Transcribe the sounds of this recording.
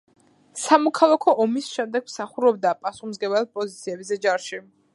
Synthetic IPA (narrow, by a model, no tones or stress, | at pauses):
samɔkʰalˠakʰɔʔɔmisʃɛmd̪ɛɡ̚msaχuɾɔb̚d̪apʼasuχmzɡɛbalpʼɔzit̪sʰiɛbzɛd͡ʒaɾʃi